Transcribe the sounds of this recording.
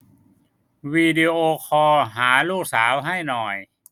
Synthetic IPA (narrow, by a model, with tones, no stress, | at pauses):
wiː˧di˧ʔoː˧kʰɔː˧ɦaː˩˦luː˥˩k̚saː˩˦wɦa˥˩jnɔː˨˩j